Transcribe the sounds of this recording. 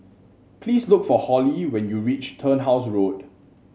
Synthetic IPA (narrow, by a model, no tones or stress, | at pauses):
pʰliːslʊkfɔhɔliwɛ̃njuɹit͡ʃtʰənɦaʊs̬ɹod